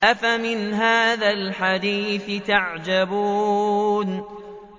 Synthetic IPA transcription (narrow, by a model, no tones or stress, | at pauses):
ʔafamɪnɦaːðalħad̪iːθɪt̪aʕd͡ʒabuːn